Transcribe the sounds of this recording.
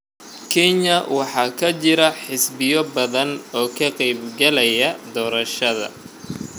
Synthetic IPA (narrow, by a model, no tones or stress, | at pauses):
kʰɛɲɐwɑħɑːkʰɐt͡ʃɪɾɐħɪsbɪjɔbɐðɐnɔːkʰɐqɛjbɡɐlɛjɐd̪ɔːɾɐʃɐðɐ̰